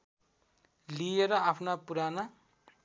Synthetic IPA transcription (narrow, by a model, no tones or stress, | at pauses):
lijeɾʌaːpʰnapuɾana